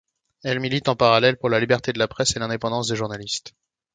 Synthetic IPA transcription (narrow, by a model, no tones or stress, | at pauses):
ɛlmilit̪ɑ̃paʁalɛlpuʁlalibɛʁt̪ed̪əlapχɛselɛ̃d̪epɑ̃d̪ɑ̃s̬d̪eʒuʁnalist̪